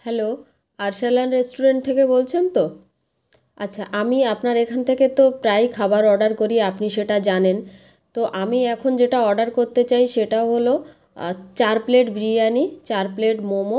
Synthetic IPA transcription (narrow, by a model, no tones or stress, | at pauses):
hɛlo | aɾʃalanɾesʈuɾeɳʈ̚t̪ʰekebolt͡ɕʰent̪o | atːɕʰaʔamiapnaɾekʰanet̪ʰeket̪opɾajkʰabaɾɔɾɖaɾkoɾiapniʃeʈad͡ʑanen | t̪oʔamiɛkʰond͡ʑeʈaɔɾɖaɾkoɾt̪et͡ɕajʃeʈaoɦolo | t͡ɕaɾpleʈbɾianit͡ɕaɾpleʈmomo